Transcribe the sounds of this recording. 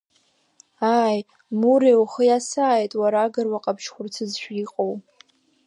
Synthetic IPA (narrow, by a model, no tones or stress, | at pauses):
aj | muɾewχəjasaːjtʼwaɾaɡɨrwaqʼabʰʃχʷʊrt͡sʰɨzʃʷᶣiqʼow